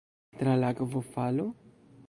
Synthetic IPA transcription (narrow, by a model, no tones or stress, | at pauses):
t̪ɾalakvofalu